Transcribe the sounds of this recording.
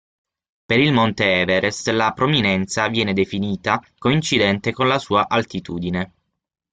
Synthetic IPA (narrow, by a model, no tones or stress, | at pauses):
peɾilmont̪eɛːveɾʔest̪lapɾominɛnt̪savjɛːned̪efiniːt̪akoint͡ʃid̪ɛnt̪ekonlasuːaʔalt̪it̪uːd̪ine